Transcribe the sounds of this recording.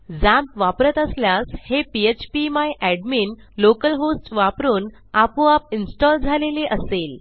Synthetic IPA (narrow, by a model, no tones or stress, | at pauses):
d͡zæ̃mpʋapɾət̪əsljashepiet͡ɕpimajʔæɖmiːn | lokəlɦosʈʋapɾuːn | apuapinsʈɔld͡zʱaleleʔəsel